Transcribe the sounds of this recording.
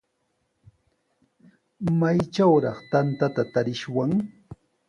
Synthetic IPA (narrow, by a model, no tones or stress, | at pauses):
majt͡ʃawɾɑχt̪ant̪at̪at̪aɾɪʃwaŋ